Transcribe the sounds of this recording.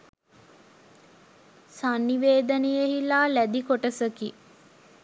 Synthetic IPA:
sanːiʋeːd̪ənejeɦilaːlæd̪ikoʈəsəki

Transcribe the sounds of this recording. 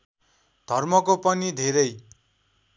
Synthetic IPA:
d̪ʱʌrmʌkopʌnid̪ʱeɾʌj

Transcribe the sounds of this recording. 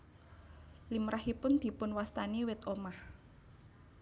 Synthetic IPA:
limɾʔahipʊnd̪̥i̤pʊnwast̪aniwɪt̪omah

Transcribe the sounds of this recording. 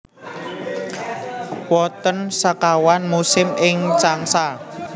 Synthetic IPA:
wɔt̪ənsakawanmusɪmʔɪŋt͡ʃaŋsa

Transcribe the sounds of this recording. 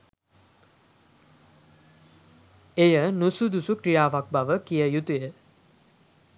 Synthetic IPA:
ejənusud̪usukɾijaːʋak̚baʋəkijəjut̪ujə

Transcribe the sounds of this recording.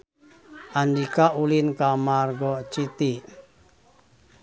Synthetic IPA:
ʔandikaʔulinkamarɡɔt͡ʃit̪i

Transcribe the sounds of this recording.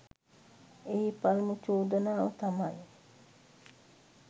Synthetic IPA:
eipɐlmut͡ʃuːd̪ɐnaːʋɐt̪ɐmɐj

